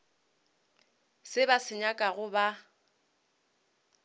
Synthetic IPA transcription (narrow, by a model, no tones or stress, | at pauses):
sɪbasɪɲakʼaɣʊba